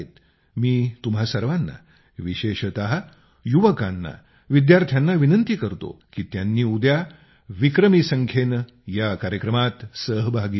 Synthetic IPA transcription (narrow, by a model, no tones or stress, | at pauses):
et̪ | miːt̪umɦasəɾʋanːa̰ | ʋiɕeɕət̪aɦa | juʋəkanːa̰ | ʋid̪jaɾt̪ʰjanːaʋinənt̪ikəɾt̪o̰kiːt̪janːiːud̪ja | ʋikɾəmisəŋkʰen | jakaɾjəkɾəmat̪səɦbʱaɡiː